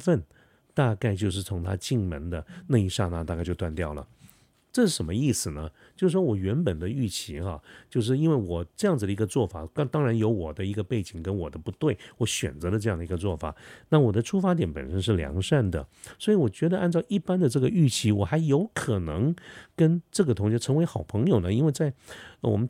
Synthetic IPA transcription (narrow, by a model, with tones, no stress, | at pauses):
fə˥˧n | t̪a˥˧ka˥˧ɪt͡ɕjo˥˧ʊʂ̬ɻ̩˥˩t͡sʰʊ˧˥ŋt̪ʰa̰˥t͡ɕi˥˩ŋmə˧˥nd̪ə˧na˥˧i˧˥ʂa˥˩na˥˧t̪a˥˧ka˥ɪt͡ɕjo˥˧ʊtwa˥˧nt̪jɑ˥˩ʊlə̰˩ | ʈ͡ʂɤ˥˧ʂɻ̩˥˩ʂə˧˥nmə˧i˥˩sɹ̩˨˩nə˩ | t͡ɕjo˥˧ʊʂʂwɔ˥wɔ˨˩ɥɛ˧˥npə˨˩nd̪ə˦y˥˩t͡ɕʰi˧˥xɑ˧t͡ɕjo˥˧ʊʂ̬ɻ̩˥˩i˥nwe˥˩ɪwɔ˨˩ʈ͡ʂɤ˥˧jɑ˥˩ŋd͡zɹ̩˨˩d̪ə˩i˧˥ɡə˧t͡swɔ˥˩fa̰˨˩ɑ˥t̪ɑ˥ŋɻa˧˥njo˧˥ʊwɔ˨˩d̪ə˦i˧˥ɡə˧pe˥˩ɪt͡ɕi˨˩ŋkə˥nwɔ˨˩d̪ə˦pu˧˥t̪we˥˩ɪwɔ˧˥ɕɥɛ̰˨˩nt͡sɤ˧˥də˧ʈ͡ʂɤ˥˧jɑ˥˩ŋd̪ə˩i˧ɡə˧t͡swɔ˥˩fa̰˨˩˦na˥˩wɔ˨˩d̪ə˦ʈ͡ʂʰu˥fa˧˥t̪jɛ˧˥npə̰˨˩nʂə˥nʂɻ̩˥˩ljɑ̰˧˥ŋʂa˥˩nd̪ə̰˩swɔ˧˥i˧˥wɔ˨˩t͡ɕɥɛ˧˥d̪ə˧ʔa˥˧nʈ͡ʂɑ˥˧ʊʔi˥˩pa˥nd̪ə˨ʈ͡ʂɤ˥˩ɡə˩y˥˩t͡ɕʰi˧˥wɔ˨˩xa˧˥ɪjo˧˥ʊkʰɤ˨˩nɤ˧˥ŋkə˥nʈ͡ʂɤ˥˩ɡə˩t̪ʰʊ˧˥ŋɕɛ˥ʈ͡ʂʰɤ˧˥ŋwe˧˥ɪxɑ˨˩ʊpʰɤ˧˥ŋjo˨ʊnə˦i˥nwe˥˧ɪt͡sa˥˩ɪwɔ̰˨˩mə˦n